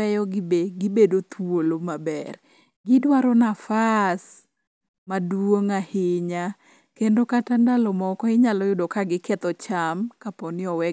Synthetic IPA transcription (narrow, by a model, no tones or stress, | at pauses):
ɛjɔɡbeɡɪbedot̪ʰwolomabɛ̰r | ɡɪdwaɾɔnafas | madwoŋahɪɲa | kendokatandalɔmɔkɔɪɲalɔjʊdokaɡɪkɛt̪ɔt͡ʃamkapɔnɪɔwɛ